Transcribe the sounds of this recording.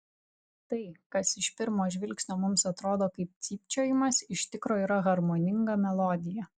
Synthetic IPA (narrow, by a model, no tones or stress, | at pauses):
t̪ɐɪkɐsɪʃpʲɪɾmoːʒʲʋʲɪlʲksʲnʲoːmʊmsɐt̪ɾoːd̪oːkɐɪp̚t̪sʲiːpʲt͡ʃʲoːjɪmɐsɪʃt̪ʲɪkɾoːiːɾɐɣɐɾmoːnʲɪŋɡɐmʲɛlˠɔːd̪ʲɪjɛ